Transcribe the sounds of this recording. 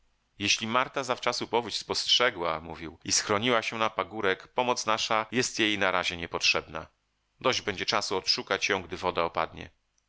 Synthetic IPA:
jɛɕlʲimaɾt̪azaft͡ʂasupɔvut͡ɕspɔstʂɛɡwamṵvʲiwisxɾɔɲiwaɕɛnapaɡuɾɛkpɔmɔt̪snaʂajɛst̪jejnaɾaʑɛɲɛpɔtʂɛbna̰ | d̪ɔʑd͡ʑbɛɲd͡ʑɛt͡ʂasuɔtʂukat͡ɕjɔ̃w̃ɡd̪ɘvɔd̪aɔpa̰d̪ɲɛ̰

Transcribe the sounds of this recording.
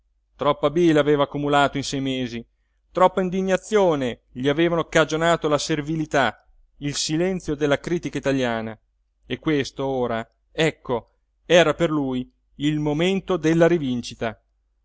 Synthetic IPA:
t̪ɾɔpːabilaveːvaːkːumulaːt̪oinsɛjmeːzi | t̪ɾɔpːaind̪iɲːat̪sːjoːne | ʎiaveːvanokad͡ʒonaːt̪olaservilit̪a | ilsilɛnt̪sjod̪elːakɾiːt̪ikait̪aʎjaːna | ekwest̪ooːɾa | ɛkːo | ɛːɾaperluj | ilmoment̪od̪elːaɾivint͡ʃit̪a

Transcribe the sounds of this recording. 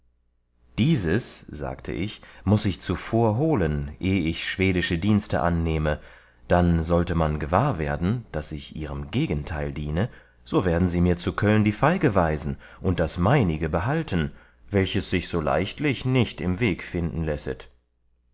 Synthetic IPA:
d̥iːzəsz̥a̰ːktʰə̰ʔɪ̰çmʊsɪçt͡sufoːɐɦoːlənʔeːɪçʃv̥eːdɪʃədiːnstʰə̰ʔa̰nːeːmə | d̥anzɔltəmanɡəvaːɐveːɐdn̩d̥asɪçʔiːʁəmɡeːɡən̩tʰaɪldiːnə | z̥oːveːɐdn̩ziːmiːɐt͡sukʰœlndiːfaɪɡəvaɪzn̩ | ʔʊnt̚d̥asmaɪnɪɡəbəɦaltn̩ | vɛlçəsz̥ɪçz̥oːla̰ɪçtlɪçnɪçtɪmveːkfɪndn̩lɛsət

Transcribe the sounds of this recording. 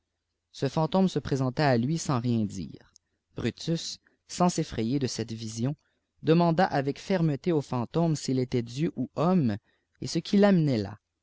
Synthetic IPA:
səfɑ̃t̪ɔ̃msəpχezɑ̃t̪aːlɥisɑ̃ʁjɛ̃d̪ḭːʁ | b̥ʁyt̪ysː | ɑ̃sefχɛjed̪əsɛt̪vizjɔ̃ | d̪əmɑ̃d̪aʔavɛkfɛʁmət̪eofɑ̃t̪ɔmsilet̪ɛd̪jøʔuɔm | esəkʲʰilamnɛla̰

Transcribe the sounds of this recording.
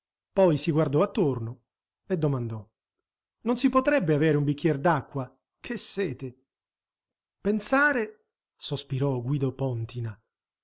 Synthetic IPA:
pɔjsiɡward̪ɔat̪ːorno | ed̪ːomand̪ɔ | nonsipot̪ɾɛbːeaveːɾeumbikːjɛrd̪akːwa | kʰesːɛːt̪e | pensaːɾe | sospiɾɔɡwiːd̪opɔnt̪ina

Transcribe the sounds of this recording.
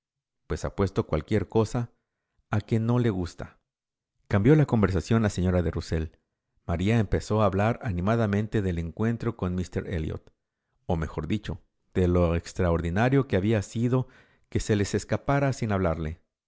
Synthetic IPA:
pwe̞sa̰pwe̞st̪o̞kwalkje̞ɾko̞saː | ke̞no̞le̞ɣust̪a̰ | kambjo̞lako̞mbe̞ɾsasjo̞nlase̞ɲo̞ɾaðeruse̞l | maɾiaempe̞so̞aːβlaɾanĩmaðamẽnt̪e̞ðe̞le̞ŋkwe̞nt̪ɾo̞ko̞nmist̪e̞̰ɾḛljo̰t̪ | o̞me̞xo̞ɾðit͡ʃo̞ | d̪̥e̞lo̞ekst̪ɾaoɾðinaɾjo̞keaβiasiðo̞ | ke̞se̞le̞se̞skapaɾasinaβlaɾle̞

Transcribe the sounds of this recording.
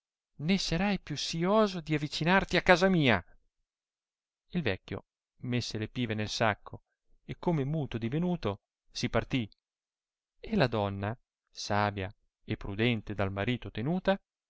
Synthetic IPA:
nesaɾajpjusːioːzod̪iavːit͡ʃinart̪iakːaːzamiːa | ilvɛkʲːjo̰ | mesːelepiːvenelsakʰːo | ekːomemuːt̪od̪ivenuːt̪o | sipart̪i | elad̪ɔnːa | saːbja̰ | epːɾud̪ɛnt̪ed̪almaɾiːt̪ot̪enuːt̪a

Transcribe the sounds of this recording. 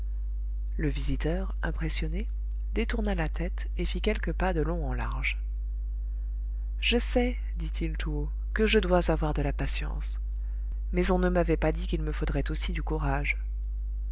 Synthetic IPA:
ləvizit̪œːʁɛ̃pχesjɔne | d̪̥et̪uʁnalat̪ʰɛt̪ | efikʲɛlkəpad̪əlɔ̃ɑ̃la̰ʁʒ | ʒ̥əsɛ | d̪it̪ʰilt̪ʰuo | kəʒəd̪wazavwaʁd̪əlapasjɑ̰̃s | mɛzɔ̃nəmavɛpad̪ikʲilməfod̪ʁɛt̪osid̪ykuʁaʒ

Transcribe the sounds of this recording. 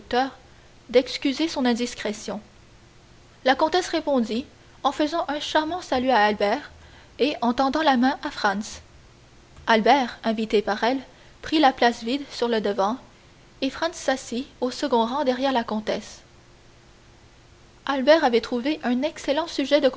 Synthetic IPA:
k̚t̪œːʁ | d̪ɛkskʲyzesɔ̃nɛ̃d̪iskχesjɔ̃ | lakɔ̃t̪ɛsʁepɔ̃d̪i | ɑ̃fəzɑ̃ʔɛ̃ʃaʁmɑ̃salyaːlbɛːʁ | eɑ̃t̪ɑ̃d̪ɑ̃lamɛ̃ʔafχɑ̃ns | albɛːʁɛ̃vit̪epaʁɛl | pχilaplasvid̪syʁləd̪əvɑ̃ | efχɑ̃nsːasiosəɡɔ̃ʁɑ̃d̪ɛʁjɛʁlakɔ̃t̪ɛs | albɛʁavɛt̪χuveʔɛ̃nɛkselɑ̃syʒɛd̪ək

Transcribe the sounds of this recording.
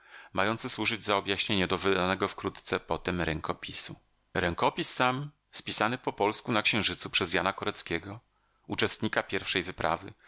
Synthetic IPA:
majɔnt̪sɘswuʐɘd͡ʑzaɔbjaɕɲeɲad̪ɔvɘd̪anɛɡɔfkɾut̪t̪sɛpɔt̪ɛmɾɛŋkɔpʲisu | ɾɛŋkɔpʲisːam | spʲisanɘpɔpɔlskunakɕɛ̃w̃ʐɘt̪supʂɛzjanakɔɾɛt̪skʲɛɡɔ | ut͡ʂɛst̪ɲikapʲjɛɾfʂɛjvɘpɾa̰vɘ̰

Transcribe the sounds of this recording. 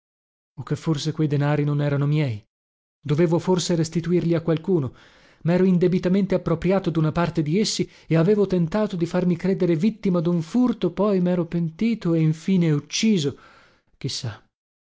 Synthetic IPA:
okːefːorsekwejd̪enaːɾinonɛːɾanomjɛj | d̪oveːvoforseɾest̪it̪uirʎiakːwalkuːno | mɛːɾoind̪ebit̪ament̪eapːɾopɾjaːt̪od̪unapart̪ed̪iesːi | eaveːvot̪ent̪aːt̪od̪ifarmikɾeːd̪eɾevit̪ːimad̪uɱfurt̪opɔjmɛːɾopent̪iːt̪oeiɱfiːneut͡ʃːiːzo | k̟isːa

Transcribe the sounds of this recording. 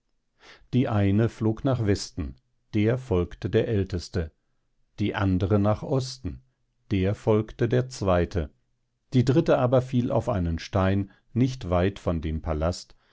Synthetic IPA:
d̥iːʔaɪnəfloːknaːχvɛstn̩ | d̥eːɐfɔlktədeːɐʔɛltəstə | d̥iːʔandəʁənaːχʔɔstn̩ | d̥eːɐfɔlktədeːɐt͡sv̥aɪtʰə | d̥iːdʁɪtəʔaːbɐfiːlʔa̰ʊfʔaɪnənʃtaɪn | nɪçtvaɪtfɔndeːmpʰalast

